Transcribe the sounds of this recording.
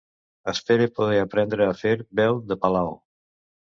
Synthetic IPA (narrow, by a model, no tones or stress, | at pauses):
əspeɾepoð̞eapɾɛnd̪ɾəafeɾbɛwðəpalaw